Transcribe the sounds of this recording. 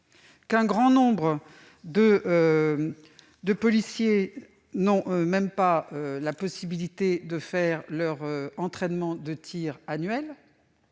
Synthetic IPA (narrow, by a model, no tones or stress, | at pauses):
kɛ̃ɡʁɑ̃nɔ̃bʁə | d̪ə | d̪əpɔlisje | nɔ̃ømɛmpaølapɔsibilit̪ed̪əfɛʁlœʁøɑ̃t̪χɛnmɑ̃d̪ət̪ʰiʁanɥɛl